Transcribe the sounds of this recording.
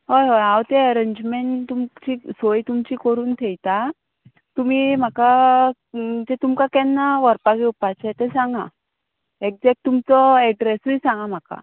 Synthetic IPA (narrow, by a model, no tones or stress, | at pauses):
ɦojɦojawt̪eəɾeɲd͡ʑmeɳʈt̪umt͡ɕisojt̪umt͡ɕiːkəɾuːnt̪ʰɛjt̪a | t̪um̤iːm̤aka | d͡ʑet̪umkakɛnːaʋəɾpaɡiupat͡ɕɛt̪ɛsãŋɡã̰ | ek̚d͡zɛk̚ʈ̚t̪ːumt͡sɔɛɖɾesujsãŋɡam̤aka̰